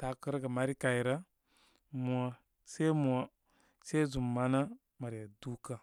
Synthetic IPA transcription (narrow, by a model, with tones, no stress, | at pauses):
ta˨kə˦ɾɡa˨ma˦ɾi˦ka˨i˨ɾa˦ | mu˨a˨ | se˦mu˨a˨ | se˦zu˨mːa˨na˦ | ma˨ɾja˨du˦ka˦